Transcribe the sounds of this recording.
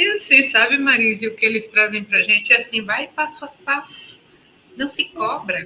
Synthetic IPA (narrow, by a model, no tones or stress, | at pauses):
isĩsabɪmaɾĩzɪʊkɪelɪst̪ɾazẽj̃pɾɐʒẽt͡ʃɪɛasĩvajpasʊap̚asʊ̥ | nɐ̃w̃sɪkɔbɾɐ